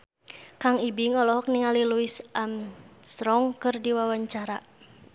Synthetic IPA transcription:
kaŋibiŋɔlɔɦɔk̚niŋaliluisamsɾɔŋkɨrdiwawaɲt͡ʃaɾa

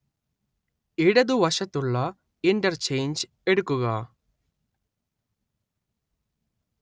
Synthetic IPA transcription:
iɽɐd̪uʋɐʂɐt̪uɭːɐ | iɳʈɐɾt͡ʃejnd͡ʒ | eɽukːuɣɐ

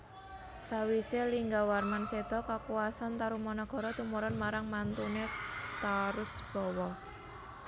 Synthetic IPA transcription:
sawiseliŋɡawarmansed̪̥ɔkakuwasant̪aɾumɔnɔɡ̥ɔ̤ɾɔt̪umuɾɔnmaɾaŋmant̪unet̪aɾʊsb̥ɔwɔ

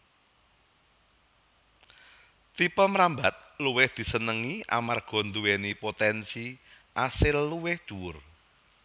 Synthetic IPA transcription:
t̪ipəməɾambat̪̚luwɪhd̪̥i̤sənəŋiʔa̰marɡ̥ɔ̤nd̪uwenipot̪ɛnsi | ʔasɪlːuwɪhd̪̥uwʊr

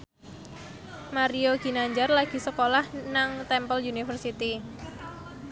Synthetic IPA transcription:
maɾioɡ̥i̤naɲd͡ʒarlaɡ̥i̤səkolahnaŋt̪ɛmpəljunifərsit̪i

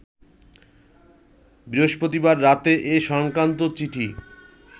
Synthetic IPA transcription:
bioʃpot̪ibaɾːat̪eʔeʃɔŋkɾant̪ot͡ɕiʈʰi

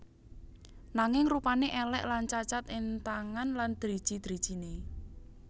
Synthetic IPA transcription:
naŋɪŋrupaneʔɛlɛʔlant͡ʃat͡ʃat̪ɪnt̪aŋanland̪̥ɾid̥ʒ̥i̤d̪̥ɾid̥ʒ̥ine

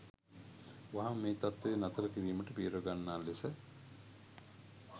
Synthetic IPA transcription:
waɦamːeːt̪at̪ʋeenat̪əɾəkiɾiːməʈəpiːɾoɡanːaːlesə

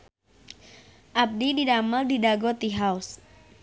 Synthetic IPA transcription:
ʔap̚dididaməldidaɡɔt̪iɦaus

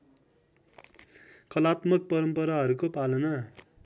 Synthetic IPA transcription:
kʌlat̪mʌk̚pʌɾʌmpʌɾaɦʌɾukopalʌnʌ

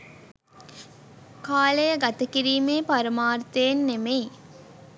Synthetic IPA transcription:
kaːlejəɡat̪əkiɾiːmeːpaɾəmaːrt̪ejenːemej

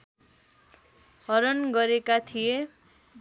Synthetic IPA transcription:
hʌɾʌnɡʌɾekat̪ʰije

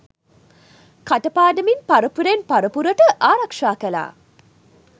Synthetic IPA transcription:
kaʈəpaːɖəminpaɾəpuɾenpaɾəpuɾəʈəʔaːɾɐkʂaːkəla̰ː

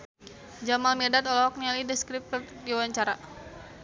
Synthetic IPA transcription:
d͡ʒamalmidat̪ɔlɔɔk̚nialidəskɾip̚t̪diwaɲt͡ʃaɾa

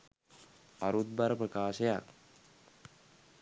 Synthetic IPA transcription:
aɾut̪̚baɾəprəkaːʃeja̰k

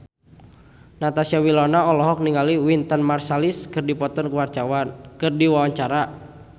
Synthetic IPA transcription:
nat̪asiawilɔnaɔlɔɦɔk̚niŋaliwint̪ənmarsaliskɨrdipɔt̪ɔnkuwart͡ʃawankɨrdiwawaɲt͡ʃaɾa

